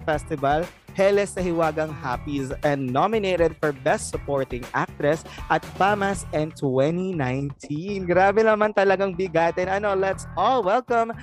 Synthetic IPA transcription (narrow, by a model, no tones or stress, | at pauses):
fɛst̪ɪbɐlhɛlɛsnɐɦɪwaːɡɐŋhapisɛ̃nd̪nomɪneːt̪ɛd̪̚fɔɹbɛst̪sʊpoɹt̪ɪ̃ŋʔa̰k̚t̪ɾɛsʔɐt̪̚pamɐsʔɛ̃nt̪wɛninajnt̪ʰinɡɾaːbɛnɐmant̪ɐlɐɡaŋbɪɡaːt̪ɛnɐno̞lɛt̪sɔlwɛlkɐ̃m